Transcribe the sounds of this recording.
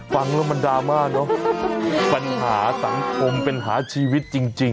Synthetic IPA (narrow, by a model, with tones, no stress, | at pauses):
fa˧ŋlɛː˦˥ba˧ndaː˧maː˥˩k̚nɔ˦˥ | pa˧nɦaː˩˦sa˩˦ŋkʰo˧mpe˧nɦaː˩˦t͡ɕʰiː˧wi˦˥t̪̚t͡ɕi˧ŋt͡ɕi˧ŋ